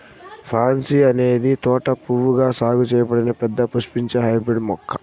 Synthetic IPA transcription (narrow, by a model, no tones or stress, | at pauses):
pʰaːnsiɐne̞ːd̪it̪ɔːʈɐpuʋuɡaːsaːɡut͡ʃɛːjɐpɐɽɐnɐpɛd̪ːɐpuʃpiɲt͡ʃeɦɐjbɾeɖmɔkʰːɐ̥